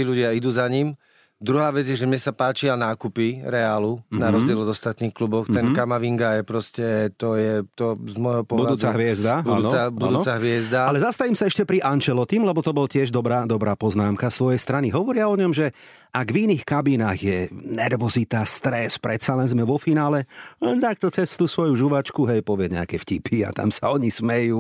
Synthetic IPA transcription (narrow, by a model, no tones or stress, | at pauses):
t̪iʎuɟɪaid̪uːzaɲim | d̪ɾuɦaːʋɛd͡zjɛʒɛmɲɛsapaːt͡ʃianaːkupiɾɛaːlunaɾɔzɟɪɛlɔd̪ɔst̪at̪niːxklubɔxt̪ɛnkamaʋiŋɡajɛpɾɔscɛt̪ɔjɛt̪ɔzmɔjɦɔpɔɦbudluːt͡saɦʋɪɛzd̪abudaːnɔabud̪uɔt͡saɦʋɪɛzd̪aalɛzast̪aʋiːmsaɛʃcɛpɾiʔant͡ʃɛlɔt̪imlɛbɔt̪ɔbɔlcɪɛʒd̪ɔbɾaːd̪ɔbɾaːpɔznaːmkasʋɔjɛjst̪ɾaniɦɔʋɔɾɪaɔɲɔmʒɛ | aɡʋiniːxkabiːnaːɣjɛnɛɾʋɔzit̪ast̪ɾɛspɾɛt̪salɛnzmɛʋɔfinaːlɛɛt̪ak̚t̪ɔt͡sɛst̪usʋɔjuʒuʋat͡ʃkuɦɛjpɔʋɪɛɲɛakɛfcipʰia̰t̪a̰msaɔɲismɛjuː